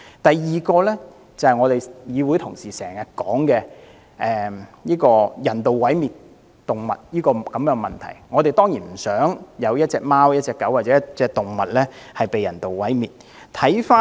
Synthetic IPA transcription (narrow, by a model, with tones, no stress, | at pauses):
t̪ɐ˨jːiː˨kɔː˧lɛ˥ | t͡sɐ˨hɐ˨jŋɔː˨˧t̪e˨jjiː˨˧wu˨˥jt̪ʰʊ˨˩ŋsiː˨˩sɛː˨˩ŋjɐ˨t̚kɔː˨˥ŋkɛː˧ | ʔɛː˨˩jiː˥kɔː˧jɐ˨˩nt̪o˨wwɐ˨˥jmiː˨t̚ | t̪ʊ˨˩ŋmɐ̰˨t̚jiː˥kɔː˧kɐ˨˧mjœː˧˥ŋmɐ˨nt̪ʰɐ̰˨˩jŋɔː˨˧t̪e˨jt̪ɔː˥ŋjiː˨˩nm̩˨˩sœː˨˥ŋjɐ˨˧wjɐ˥t̚t͡sɛː˧k̚maː˥wjɐ˥t̚t͡sɛː˧kːɐ˨˥waː˨tt͡sɛː˨˧˥jɐ˥t͡sɛː˧k̚t̪ʊ˨ŋmɐ˨t̚lɛː˥hɐ˨jpe˨jɐ̰˨˩nt̪o˨wwɐ˨˥jmiː˨˩t̚ | t̪ʰɐ˨˥jfaː˥